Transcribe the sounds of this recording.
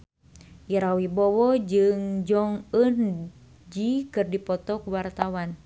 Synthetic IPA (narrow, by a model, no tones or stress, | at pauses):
ʔiɾawibɔwɔd͡ʒɨŋd͡ʒɔŋən | d͡ʒikɨrdipɔt̪ɔkuwart̪awan